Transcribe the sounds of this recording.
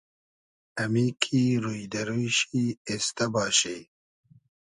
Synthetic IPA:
ɐmiːkʰiɾujd̪ɐɾujɕiest̪ɐbɑːɕe

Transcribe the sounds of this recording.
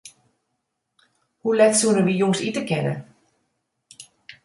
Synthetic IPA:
hulɛtsuənəʋijoŋsitəkɛnə̰

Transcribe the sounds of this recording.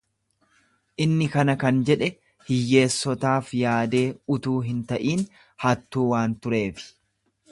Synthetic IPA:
ʔɪnːɪkɐnɐkɐnd͡ʒɛᶑɛ | hɪjːe̞ːsːɔt̪aːfjaːd̪e̞ːʊt̪uːɦɪnt̪ɐʔiːn | hɐt̪ːuːwaːnt̪ʊɾe̞ːfɪ̥

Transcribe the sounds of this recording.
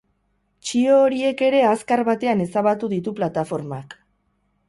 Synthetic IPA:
t͡ʃio̞ːɾie̞ke̞ɾe̞askaɾβat̪e̞ane̞saβat̪uðit̪uplat̪afo̞ɾmak

